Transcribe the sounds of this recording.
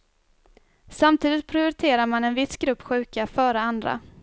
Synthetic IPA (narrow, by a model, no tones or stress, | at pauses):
samt̪ʰiːd̪ɪt̪̚pʰɾɪʊɾɪt̪ʰeːɾaɾmanɛnvɪsɡɾɵpːɧʉ̟ːkafœːɾəand̪ɾa̰